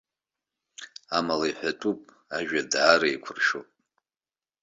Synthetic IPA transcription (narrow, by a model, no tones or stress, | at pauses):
amalaiħʷᶣatʼupʼ | aʒᶣadʕaɾaikʷʰʊrʃopʼ